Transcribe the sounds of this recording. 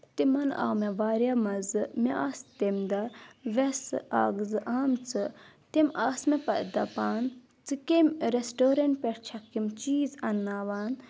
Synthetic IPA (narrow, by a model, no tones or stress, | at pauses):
t̪imɐna̰ːmeʋaːɾjamɐzɨmeʔaːst̪emd̪ɐʋesaːɡzɨʔaːmt͡sɨ | t̪imaːsmepɐd̪ɐpaːn | t͡sɨkemɾesʈoːɾɐɳʈ̚pʲeɾt͡ʃʰɐkimt͡ʃiːzɐnːaːʋaːn